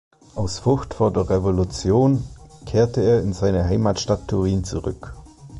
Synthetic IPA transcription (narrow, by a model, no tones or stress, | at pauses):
ʔaʊsfʊçtfoːɐdeːɐʁevolut͡sjoːnkʰeːɐtəeːɐɪnzaɪnəɦaɪmaːtʃtatʰːʊʁiːnt͡suʁʏ̰k